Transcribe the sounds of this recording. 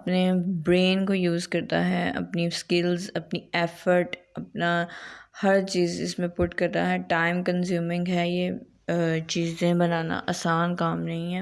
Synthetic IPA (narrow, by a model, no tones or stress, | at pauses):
ɐpnebɾeːnkojuːzkɐɾt̪a̰ɦɛɐ̰pniskɪlzɐpniɛːfəɾʈɐp̚nahɐɾt͡ʃiːzɪ̰smẽpʊʈkɐɾt̪a̰ɦɛʈaːɪmkɐ̃ns̬juːmɪ̃ŋɡɦɛːje | t͡ʃiːzzẽbɐnaːna̰ʔɐːsaːnkaːmnɐɦĩɦɛː